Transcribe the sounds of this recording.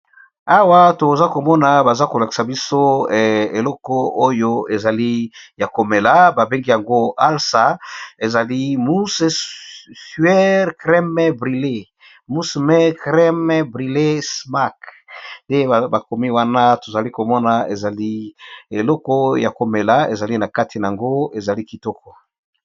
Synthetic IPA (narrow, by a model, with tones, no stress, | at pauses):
a˨wa˦to˨za˦ko˨mɔ˦na˨ba˨za˦ko˨la˨ki̥˨sa˨bi˦so˦˨e˨lɔ˦kɔ˦o˦jo˦e˨za˨li˦ja˨ko˨me˨la˦ba˨be˦ŋɡi˦ja˨ŋɡo˦a˦lsa˨e˨za˨li˦mu˦se˦sɥɛ˦ʁkʁɛ˦mɛ˦bʁi˨le˦ | mu˦smɛ˦kʁɛ˦m˦bʁi˨le˦sma˦k | nde˦˨ba˨ko˨mi˦wa˦na˦to˨za˨li˦ko˨mɔ˦na˨e˨za˨li˦e˨lɔ˦kɔ˦ja˨ko˨me˨la˦ḛ˨za˨li˦na˨ka˦tʰi˨na˨a˨ŋɡo˦e˨za˨li˦ki˨tɔ˦kɔ˨